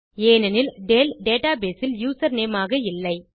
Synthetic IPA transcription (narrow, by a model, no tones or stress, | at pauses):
eːnɐnɪlɖeːlɖeːʈaːbeːsɪljuːsɐɾneːmaːɣɐɪlːɐɪ